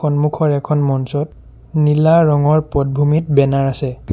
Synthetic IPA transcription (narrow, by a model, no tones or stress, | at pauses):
ɔnmukʰɔɹɛkʰɔnmɔnsɔt | nilaɹɔŋɔɹpɔt̚bʱumitbɛnaɹasɛ